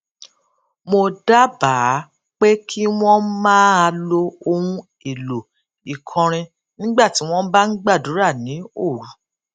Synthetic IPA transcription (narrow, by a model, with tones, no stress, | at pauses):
mo˧da˦baː˨˦ | k͡pe˦kʰi˦w̃ɔ̃˦mãː˦a˧lo˧o˧ɾũ˧˦ | i˨lo˨ | i˨kʰɔ̃˧ɾ̃ĩ˧ | nĩ˦ɡ͡ba˦˨ti˨˦w̃ɔ̃˦ba˦n̩˦ɡ͡ba˦˨du˨˦ɾa˦˨nĩ˨˦o˦˨ɾu˨˦